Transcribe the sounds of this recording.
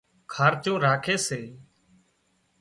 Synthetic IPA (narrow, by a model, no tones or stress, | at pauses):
kʰaːɾt͡ʃõːɾaːkʰeːseː